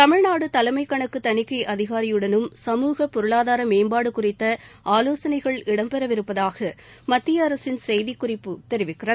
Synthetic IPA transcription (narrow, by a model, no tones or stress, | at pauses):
t̪ɐmɪɻnaːɽɯt̪ɐlɐmɐɪkːɐɳɐkːɯt̪ɐɳɪkːɐɪʔɐðɪɣaːɾɪjɯɽɐnɯmsɐmuːɣɐpɔɾɯɭaːðaːɾɐmeːmbaːɽɯkʊrɪt̪ːɐaːloːsɐnɐɪɣɐɭɪɽɐmpɛɾɐʋɪɾɯpːɐðaːɣɐ | mɐt̪ːɪjɐːɾɐsɪnsɛjðɪkːʊrɪpːɯt̪ɛɾɪʋɪkːɪrɐ